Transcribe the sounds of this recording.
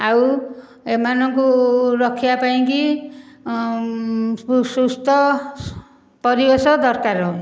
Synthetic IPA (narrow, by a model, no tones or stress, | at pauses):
aw | emanɔŋkuɾʌkʰːijapaĩŋki | sust̪ʰɔ | pɔɾibesɔd̪ɔɾkaɾɔ